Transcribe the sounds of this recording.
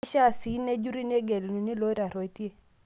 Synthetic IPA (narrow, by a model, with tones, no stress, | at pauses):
ʃa˦˨si˨˦ne˦d͡ʒu˦ɾi˦ne˦ɡɛ˨lnu˨ni˦lo˦ɾa˨ɾɔ˨i˨˦tje˦